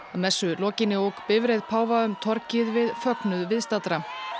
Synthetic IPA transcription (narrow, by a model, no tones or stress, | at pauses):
amɛsːʏlɔːcɪnːɪɔkpɪvɾejðpʰaːwvaʏmt̪ʰɔɾcɪðvɪðfœknʏðvɪðst̪at̪ɾa